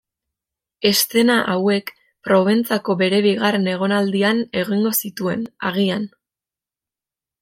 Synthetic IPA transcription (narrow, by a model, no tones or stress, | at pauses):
e̞st̪e̞naʔawe̞k | pɾo̞βent͡sako̞βe̞ɾe̞β̞iɣarene̞ɣ̞o̞nald̪iane̞ɣiŋɡo̞sit̪ue̞̰na̰ɣian